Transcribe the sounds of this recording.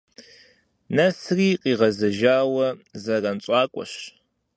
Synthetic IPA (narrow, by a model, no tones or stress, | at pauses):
nɐsriːqiːʁɐzɐʒaːwɐzɐrɐnɕʷʼɑːkʷʼɔ̰ɕ